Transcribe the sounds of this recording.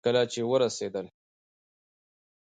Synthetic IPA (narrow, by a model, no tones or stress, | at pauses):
kəlat͡ʃewəɾased̪əl